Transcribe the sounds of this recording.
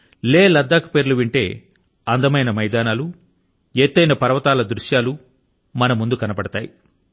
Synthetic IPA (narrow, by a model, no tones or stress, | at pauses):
leːlɐd̪ːaːkɐ̥peːɾuluʋiɳʈe̞ː | ɐnd̪ɐmɐjnɐmɐjd̪aːnaːlu | eːt̪ːɐjnɐpɐɾɐʋɐt̪aːlɐd̪ɾuʂjaːlu | mɐnɐmund̪ukɐnɐpɐɽɐt̪a̰ːji